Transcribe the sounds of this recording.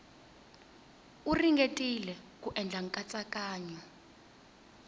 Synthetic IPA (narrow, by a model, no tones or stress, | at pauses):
uriŋɡʱetʼilɛk̬ʼuʔɛnd͡ɮʱaŋ̩kʼat͡sʼakʼaːɲɔ